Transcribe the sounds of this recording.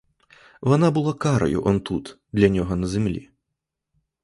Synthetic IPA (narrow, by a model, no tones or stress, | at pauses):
vanabɨlˠakaɾɐ̰jṵʔɔnt̪ut̪d̪lʲɐnʲɔɣɔnɐzʲɛmlʲḭ